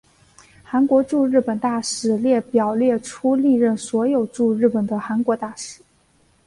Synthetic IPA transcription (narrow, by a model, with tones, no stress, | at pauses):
xa˧˥nkwɔ˧˥ʈ͡ʂu˥˧ɻɻ̩˥˩pə˨˩nt̪a˥˩ʂɻ̩˧˩˥ljɛ˥˩pjɑ˨˩ʊljɛ˥˩ʈ͡ʂʰu˥li˥˧ɻə˥˩nswɔ˧˥jo˨˩ʊʈ͡ʂu˥˧ɻ̩˥˩pə˨˩nd̪ə˦xa˧˥nkwɔ˧˥t̪a˥˩ʂɻ̩˨˩˥